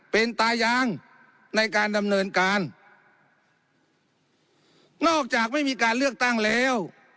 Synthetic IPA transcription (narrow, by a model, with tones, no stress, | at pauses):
pe˧nt̪aː˧jaː˧ŋ | na˧jkaː˧nda˧mnɤː˧nkaː˧n | nɔː˥˩k̚t͡ɕaː˨˩k̚ma˥˩jmiː˧kaː˧nlɯ˥˩ək̚t̪a˥˩ŋlɛː˦˥˨w